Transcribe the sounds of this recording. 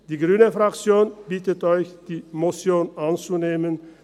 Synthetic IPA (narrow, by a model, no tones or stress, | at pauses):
d̥iːɡʁyːnəfʁakt͡sjoːnbiːtətɔʏçd̥iːmot͡sjoːnʔant͡suneːmən